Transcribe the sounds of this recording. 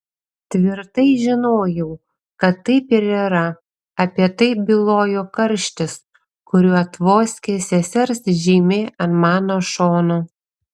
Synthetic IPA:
t̪ʲʋʲɪɾt̪ɐɪʒʲɪnoːjɛʊ | kɐt̪ːɐɪpɪɾiːɾɐ | ɐpʲiɛt̪ɐɪbʲɪlˠoːjokɐɾʲʃʲt̪ʲɪs | kʊɾʲuːɐt̪ʋoːsʲkʲesʲɛsʲɛɾsʒʲiːmʲeːɐnmɑːnoːʃoːno

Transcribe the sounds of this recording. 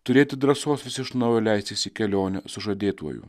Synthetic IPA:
t̪ʊɾʲeːt̪ʲɪd̪ɾɐsoːsʋʲɪsʲɪʃnɐʋɐlʲæjsʲt̪ʲɪsʲɪkʲɛlʲoːnʲɛsʊʒɐd̪ʲeːt̪uɔ̰jṵ

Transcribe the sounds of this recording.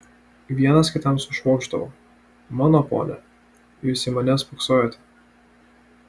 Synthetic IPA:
ʋʲiɛnɐskʲɪt̪ɐmsʊʃʋoːɡʒd̪ɐʋo̰ː | mɑːnopo̰ːnʲɛ̰ | sʲɪmɐnʲɛsfʊksoːjot̪ʲ

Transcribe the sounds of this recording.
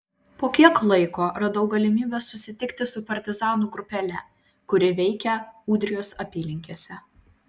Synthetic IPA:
poːkʲiɛklˠɐɪkoːɾɐd̪ɐʊɡɐlʲɪmʲiːbʲeːsːʊsʲɪt̪ʲɪkt̪ʲɪsʊpɐɾʲt̪ʲɪzɑːnuːɡɾʊpʲɛlʲɛ | kʊɾʲɪʋʲɛɪkʲɛuːd̪ʲɾʲɪjoːsɐpʲiːlʲɪŋʲkʲiɛsʲɛ

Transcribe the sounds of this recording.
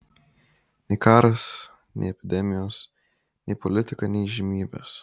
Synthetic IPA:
nʲɛɪkɑːɾɐs | nʲʔɛ̰ɪɛpʲɪd̪ʲɛmʲɪjoːs | nʲɛɪpɔlʲɪt̪ʲɪkɐnʲɛɪʒʲɪmʲiːbʲḛːs

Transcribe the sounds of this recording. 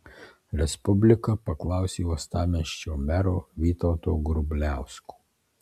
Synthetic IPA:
ɾʲɛspʊbʲlʲɪkɐpɐklˠɑˑʊsʲeːust̪ɑːmʲɛʃʲt͡ʃʲoːmʲɛɾoːʋʲiːt̪ɐʊt̪oːɡɾʊbʲlʲæˑʊsku̥ː

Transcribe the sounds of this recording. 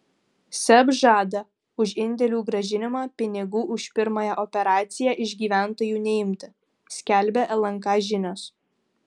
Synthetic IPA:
sʲɛbʒɑːd̪ɐ | ʊʃɪnʲd̪ʲɛlʲuːɡɾɐʒʲɪnʲɪmɑːpʲɪnʲɪɡuːʔʊʃʲpʲɪɾmɐjɛʔɔpʲɛɾɑːt̪sʲɪjæʔɪʒʲɡʲiːʋʲæˑnt̪oːjuːnʲɛɪmʲt̪ʲɪ | sʲkʲæˑlʲbʲɛʔɛlˠɐŋˑkɑːʒʲɪnʲoːs

